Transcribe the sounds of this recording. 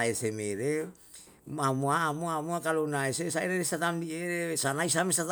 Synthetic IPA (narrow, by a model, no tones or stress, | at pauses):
esemeɾe | mamuaːmuamuakalonaesesaeɾeɾest̪at̪amdieɾesanais̬amest̪at̪